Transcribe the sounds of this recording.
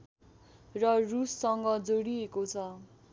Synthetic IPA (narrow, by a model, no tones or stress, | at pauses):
rʌrusːʌŋɡʌd͡zoɽiekot͡sʰʌ